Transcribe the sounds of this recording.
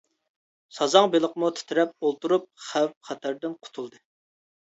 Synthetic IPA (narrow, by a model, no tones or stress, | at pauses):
sɑzɑŋbelˠəqmut̪ʰɪ̥t̪ʰɪɾɛp̚olˠt̪uɾup̚χæwχæt̪ʰæɾd̪ɪnqʰʊ̥t̪ʰulˠd̪ɨ